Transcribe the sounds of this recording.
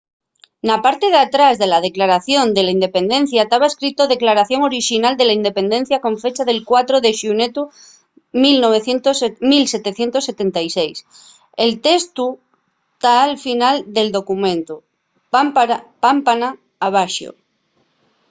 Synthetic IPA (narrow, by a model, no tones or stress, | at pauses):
napaɾt̪eðat̪ɾazðe̞lað̞e̞klaɾaθjo̞nd̪elaind̪epẽ̞nd̪ẽ̞n̟θjat̪aβ̞aeskɾit̪oðe̞klaɾaθjo̞ŋo̞ɾiʃinald̪e̞laind̪e̞pe̞nd̪e̞n̟θjakõ̞ɱfe̞t͡ʃaðe̞lkwat̪ɾoðeʃunet̪u | milno̞β̞eθje̞nt̪osmilse̞t̪eθje̞nt̪o̞sːe̞t̪e̞nt̪ajsejs | elt̪e̞st̪u | t̪aːlfinald̪e̞ld̪o̞kumẽ̞nt̪u | pampanaː | β̞aʃjo̰